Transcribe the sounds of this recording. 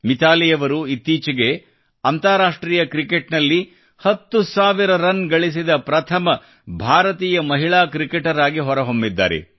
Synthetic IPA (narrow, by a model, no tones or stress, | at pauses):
mit̪aːlijɐʋɐɾuit̪ːiːt͡ʃiɡe | ɐnt̪aːɾaːʂʈɾiːjɐkɾikeʈnɐlːi | hɐt̪ːusaːʋiɾɐɾɐnɡɐɭis̬id̪ɐpɾɐt̪ʰɐmɐ | bʱaːɾɐt̪iːjɐmɐɦiɭaːkɾikeʈɐɾaːɡiɦɔɾɐɦombid̪ːa̰ːɾḛ